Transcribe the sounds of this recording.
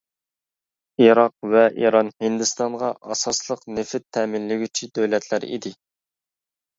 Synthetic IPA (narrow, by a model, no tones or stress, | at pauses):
iɾɑq̚vɛʔiɾɑnhɪnd̪ɨst̪ɑɴʁɑʔɑsɑslˠəqnɪfɪt̪ʰːɛːmɪnlɪɡʲyt͡ʃʰid̪øwlɛt̪ʰlæɾḭd̪ɪ